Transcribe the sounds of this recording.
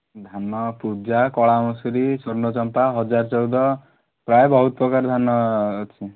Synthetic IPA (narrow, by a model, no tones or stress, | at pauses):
d̪ʱanːɔpud͡ʒakɔɭamɔsuɾisoɾnot͡ʃɔmpaɦʌd͡zaɾt͡sɔwd̪ɔ | pɾajbɔɦut̪̚pɔkaɾd̪ʱanːɔt͡ʃʰi